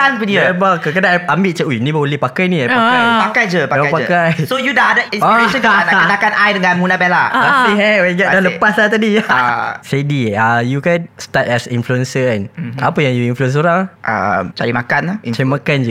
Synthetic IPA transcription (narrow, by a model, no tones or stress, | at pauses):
anpədibakəkədaambɪʔt͡ʃəunĩbaolɛpakajnĩajakajpakajd͡ʒəpaaaajpakajsojudaadəinseʃəaat̪akanʔajdəŋãnmunãbɛlaaiɦɛwɛɡaʔdaləpaslat̪adi | sediajukanst̪at̚ɛsinfluɛnsəanapəjaŋjuinfluɛns̬oɾaŋʔə̰mt͡ʃaɾimakanat͡ʃaɾimãkand͡ʒə